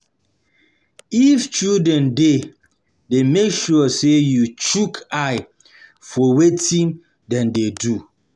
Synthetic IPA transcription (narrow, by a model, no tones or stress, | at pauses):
ift͡ʃuldɛ̃nde | demekʃusejut͡ʃukʰaɪ | fɔwetĩn | dɛ̃ndedu